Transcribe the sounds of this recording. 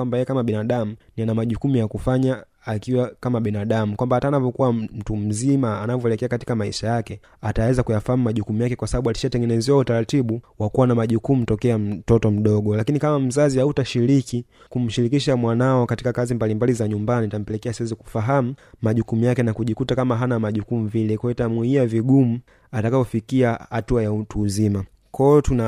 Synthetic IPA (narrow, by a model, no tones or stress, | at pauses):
wambajɛjɛkamaɓinaɗamunianamaʄukumujakufaɲaː | kiwakamaɓinaɗamukwambahataːnavɔkuwam̩tum̩zimaanavɔɛlɛkɛakati̥kamaḭʃajakɛ | atawɛzakujafahamumaʄukumujakɛkwasaɓaɓualiʃatɛŋɡɛnɛzɛwautaɾatiɓuwakuwanamaʄukumutɔkɛam̩tɔtɔm̩ɗɔɠɔlakinikamam̩zazihautaʃiɾiki | kum̩ʃiɾikiʃamwanaɔkati̥kakazimbalimbalizaɲumbaniatam̩pɛlɛkɛasiwɛziku̥faɦamumaʄukumujakɛnakuʄikutakamaɦanamaʄukumuvilɛkwajɔitamwiiaviɡumu | atakapɔfikiahatuajautuːzima | kʰɔɔtuna